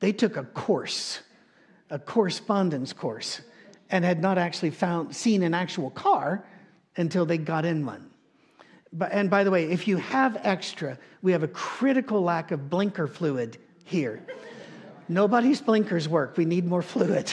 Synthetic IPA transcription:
ðeɪtʰʊkəkʰɔɹs | əkʰɔɹɨspɑ̃ndɨ̃nskʰɔɹsɨ̃nɨdⁿnəɾæk̚t͡ʃʉl̩ˠifãʊ̃nd̥sĩnɨ̃næk̚t͡ʃul̩ˠkʰɑɹ | ɨ̃ntʰɪlˠðeɪɡɑɾɨ̃nwʌ̰̃n | ɨ̃nbaɪðəweɪɨfjɨəvɛkstɹ̥ɨwiɨvɨkʰɹ̥ɪɾɨkl̩ˠlækʌvblɪ̃ŋkə˞flʉɪd | hiɹ | noʊbaʊɾizblɪ̃ŋkə˞zwɜ˞kwinid̚mɔɹfluɪd̥

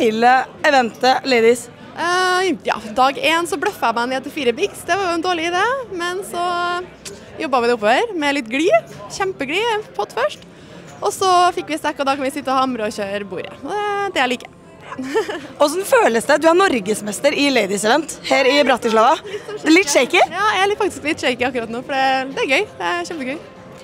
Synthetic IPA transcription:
ɪləɛʋɛnt̪əleɪd̪ɪs | jɑ̰ːd̪ɑːɡeːnsɔbɽœfɑæmɛnɛːt̪ɪlfiːɾəbɪksd̪ɛʋɑɾjʊɛnd̪oːɭɪɪd̪eːmɛnsɔ | jɔbːɑʋɪd̪ɛʊpːoːʋəɾmɛlɪt̪ːɡɽiːçɛmpəɡɽiːpʰɔt̪ːfœʂʈ | ʔɔsɔfɪkːʋɪst̪ɛkːɔd̪ɑkɑnʋɪsɪt̪ːəɔhɑmɾəɔçøːɾbṵːɾə̰ɔd̪ɛd̪ɛæliːkə̥ | ɔsɔnføːləst̪əd̪ʉænɔɾɡəsmɛst̪əɾɪleɪd̪ɪsɛʋɛnt̪hæːɾɪbɾɑt̪ːəʂlɑːʋɑlɪt̪ːʂeɪkɪjɑːælfɑk̚t̪ɪ̥sklɪt̪ːʂɛɪkɪɑkːɾɑt̪noːfɔɖɛd̪ɛæɾɡœʏd̪ɛæçɛmpəɡœʏ

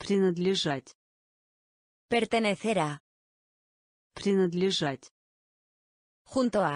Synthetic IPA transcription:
pɾinəd̪lʲeʒatʲ | peɾt̪eneθeɾa | pɾinəd̪lʲeʒat̪ʲ | xunt̪oa

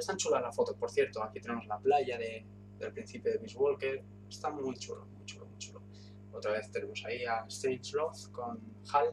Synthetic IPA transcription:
est̪ant͡ʃulalafo̞t̪o̞po̞ɾθje̞ɾt̪oakit̪e̞ne̞mo̞zlaplaʝaðe̞ | d̪elpɾin̟θipjoðemizβo̞lke̞ɾ | est̪amujt͡ʃuɾo̰mujt͡ʃuɾomujt͡ʃuɾo | ot̪ɾaβe̞θt̪eɾemo̞saiaest̪ejt͡ʃlofko̞nxal

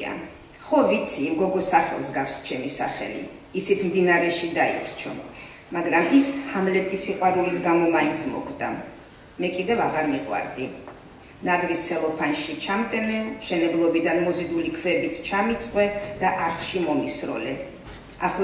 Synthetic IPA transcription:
a̰ | χɔvit̪sʰiːmɡɔɡɔsaχɛ̰lˠsɡafst͡ʃʰɛmisaχɛ̰lḭː | sit̪sʰmd̪inaɾɛʃid̪aḭtʰt͡ʃʰɔ̰ | maɡɾamishamlɛt̪ʼisiqʼwaɾulisɡamɔmaint̪sʰmɔ̰kʰd̪a̰ | mɛkʼid̪ɛvaʁaɾmiqʼwa̰ɾd̪i | nad̪vist̪sʰɛlˠɔpʰanʃit͡ʃʰamt̪ʼɛnɛlʃɛnɛblˠɔbid̪anmɔzid̪ulikʰvɛbit̪sʰt͡ʃʰamit̪sʼqʼwɛd̪̥aʔaɾχʃimɔmisɾɔ̰lɛ | aχlˠ

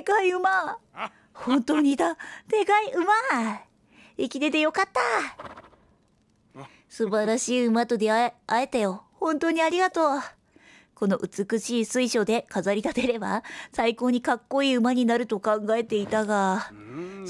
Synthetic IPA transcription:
ekaiɯ̟ma | hõ̞nt̪o̞ːɲ̟id̪at̪e̞kaiɯ̟ma | ikʲit̪e̞t̪e̞jo̞kat̪ːa | sɨbaɾaɕiːɯ̟mat̪o̞d̪e̞ae̞t̪ajo̞hõ̞nt̪o̞ːɲ̟iaɾʲiɡat̪o̞ː | ko̞no̞̰ʔɯ̟t͡sɨkɯ̟ɕiːsɨiɕo̞d̪e̞kazaɾʲit̪at̪e̞ɾe̞basaiko̞ːɲ̟ikakːo̞iːɯ̟maɲ̟inaɾɯ̟t̪o̞kãŋɡae̞t̪e̞it̪aɡa

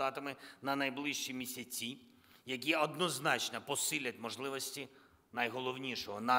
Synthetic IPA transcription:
ɑt̪ɐmɪnɐnɐjblˠɪʃt͡ʃimʲisʲɐt͡sʲi | jɐkʲiɔd̪nɔznɑt͡ʃnɐpɔsɪlʲɐt̚ʲmɔʒlˠɪʋɔsʲtʲi | nɐjɦɔlˠɔwnʲiʃɔɦɔnɑ

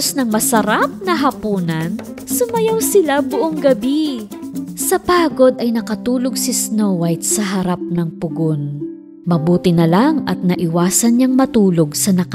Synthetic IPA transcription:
snɐŋmɐsɐɾap̚nɐɦɐpuːnɐn | sʊmɐjawsɪlabʊʔoŋɡɐbi | sɐpaːɡo̞d̪ɐjnɐkɐt̪uːloɡ̚sɪsnowɐjt̪̚sɐɦɐɾap̚nɐŋpʊɡon | mɐbuːt̪ɪnɐlaŋɐt̪̚nɐʔɪwaːsɐnɲaŋmɐt̪uːlo̞ɡsɐnɐk

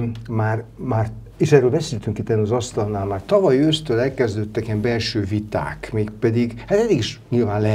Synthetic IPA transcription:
maːrmaːr | eːʃɛrøːlbɛseːlt̪yŋkit̪ːɛnɒzɒst̪ɒlnaːlmaːrt̪ɒvɒjøːst̪øːlɛlkɛzd̪øt̪ːɛkiɛmbɛlʃøːvit̪a̰ːkmeːkpɛd̪iɡhat̪ɛd̪ːiɡiʃɲilvaːnlɛ

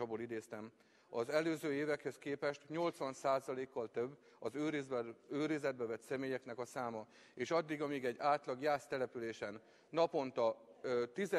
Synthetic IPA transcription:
ɒboːlid̪eːst̪ɛm | ɒzɛløːzøːeːvɛkhɛskeːpɛʃt̪ɲo̞lt̪sʋɒnsaːzɒleːkːɒlt̪øbː | ɒzøːɾizbøːɾizɛd̪̚bɛvɛt̪sɛmeːjɛknɛkɒsaːmɒ | eːʃɒd̪ːiɡɒmiːɡɛɟːaːt̪lɒɡjaːst̪ɛlɛpyleːʃɛnː | ɒpo̞nt̪ɒt̪izɛ

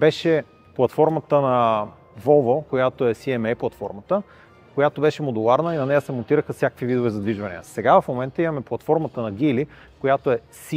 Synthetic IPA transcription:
bɛʃɛ | plˠɐt̪fɔɾmət̪ənɐ | vɔvokojat̪oɛsiɛmɛjplˠɐt̪fɔɾmət̪ə | kojat̪obɛʃɛmod̪ulˠaɾnəinɐnɛjəsɛmont̪iɾəxəfsʲjakə̥kvivid̪ovɛzɐd̪viʒvɐnḭjə̰sɛɡavɐfmomɛnt̪əimɐmɛplˠɐt̪fɔɾmət̪ənɐɡ̟ili | kojat̪oɛsi

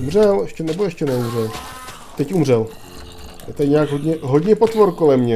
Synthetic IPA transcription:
umr̝ɛlɛʃcɛnɛboɛʃcɛnɛumrɛl | t̪ɛcumr̝ɛl | jɛt̪adɪɲaːɡɦodɲɛɦodɲɛpot̪voɾko̞lɛmɲɛ

